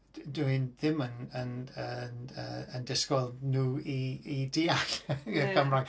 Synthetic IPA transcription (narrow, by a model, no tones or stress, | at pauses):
duɨnðɪmənənənə̰əndɪskɔlˠnuːiidiːaɬəəmraŋ